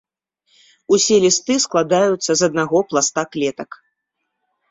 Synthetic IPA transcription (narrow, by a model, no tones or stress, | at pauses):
usʲɛlʲist̪ɨsklˠad̪ajut̪sːɐzɐd̪̚naɣɔplˠast̪aklʲɛt̪ɐk